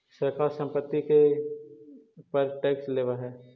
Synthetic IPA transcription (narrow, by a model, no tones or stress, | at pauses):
səɾkaːɾsə̃mpət̪ːike | pɐɾʈɛːksleːʋaɾɦɛː